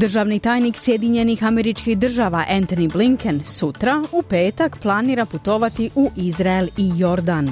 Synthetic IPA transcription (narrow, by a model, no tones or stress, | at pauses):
d̪r̩ʒaːʋnit̪aːjniksjed̪iɲe̞nixameɾit͡ʃkihd̪r̩ʒaʋaʔent̪onibliŋkensut̪ɾaupe̞ːt̪akplˠaniːɾaput̪o̞ʋat̪iʔuʔizɾaelijo̞ɾd̪an